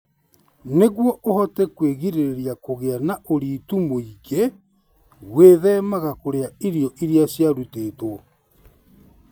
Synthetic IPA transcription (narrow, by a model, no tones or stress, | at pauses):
neɣwɔʔohɔtɛkweɣiɾeɾeɾjakoɣeanaʔoɾiːtumoiɣe | weːðɛmaɣakoɾeaiɾjɔʔiɾjasjaɾuteːto